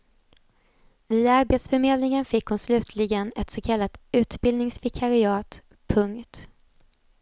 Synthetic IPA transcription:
vɪd̪aɾbeːt̪sfœɾmeːd̪lɪŋənfɪkːhʊnslʉ̟ːt̪ʰlɪɡənɛt̪soːkʰalːat̪ʉ̟ːt̪bɪld̪nɪŋsvɪkʰaɾɪɑːt̪ | pʰɵŋkt̪

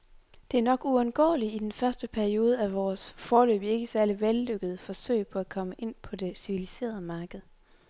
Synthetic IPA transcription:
d̥e̝æɐnɒ̽ɡ̥uɒnɡ̥ɒ̰ːliːd̥enfɶɐsd̥əpʰæɐio̝ːð̞ˠəæʋɒːsfɒːlø̰ːb̥ie̝ɡ̥əsæɐliʋelːøɡ̥əð̞̩ˠəfɒ̽sø̰ɪ̰pʰɒ̽ækʰɒ̽məʔe̝n̰pʰɒ̽d̥e̝siʋilise̝̰ːɐð̞̩ˠəmɑ̈ːɡ̥əð̞̩ˠ

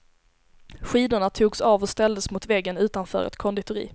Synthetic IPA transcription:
ɧiːd̪ʊɳat̪ʰuːɡsɑːvɔst̪ɛld̪əsmʊt̪vɛɡːənʉ̟ːt̪anfœ̰ːɾʔɛ̰t̪kʰɔnd̪ɪt̪ʊɾḭː

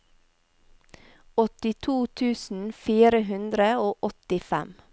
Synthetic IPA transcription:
ɔt̪ɪt̪ʰuːt̪ʰʉːsn̩fiːɾəɦʉnd̪ɾəoːʔɔt̪ɪfɛ̰m

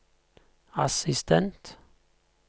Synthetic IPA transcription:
asɪst̪ʰɛnt̪

